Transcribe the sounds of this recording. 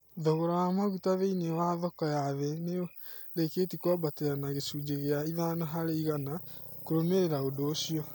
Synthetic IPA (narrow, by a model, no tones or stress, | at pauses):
ðoɣoɾaamaɣutaβeinewaðɔkɔjaðɛneɾekeːtikwɔbateɾanaɣesud͡ʑeɣeaiðanaɦaɾeiɣanakoɾomeɾeɾaodoːɕiɔ